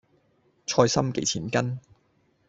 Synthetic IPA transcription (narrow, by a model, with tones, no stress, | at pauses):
t͡ʃʰɔː˧jsɐ˥mkḛ˨˥jt͡sʰiː˨˩nkɐ˥n